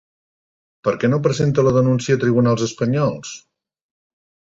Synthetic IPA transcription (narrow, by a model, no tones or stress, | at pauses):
pəɾkɛnop̬ɾəzent̪ələðənunsiət̪ɾiβ̞unalˠzəspəɲɔlˠs